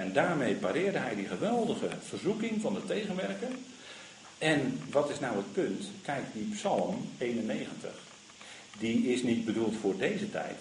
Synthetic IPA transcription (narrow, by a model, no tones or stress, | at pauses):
ɛndaːɹmejpaːɾɪːrdəɦɛjdiχəʋɛlˠdəχə̰v̥ərzukɪŋvɑndətejɣənʋɛrkən | ɛnʋɑtɪsnawət̚pɵntkɛjk̚t̚dipsɑlˠmejnənejɣəntə̰χ | diɪsnid̚bədulˠtfʊːɹdejzətɛ̰jt